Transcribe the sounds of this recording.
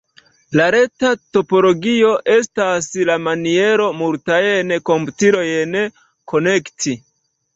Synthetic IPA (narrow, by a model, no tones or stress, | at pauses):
laɾe̞tato̞po̞lo̞ɡio̞ʔe̞staslamanie̞ɾo̞muɾtajeneko̞mputiɾo̞jene | kʰo̞ne̞ktʰi